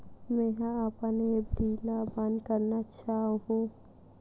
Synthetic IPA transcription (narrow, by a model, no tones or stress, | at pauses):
mẽɦãapaneed̪iːlaband̪kəɾnat͡ʃaːɦɦũ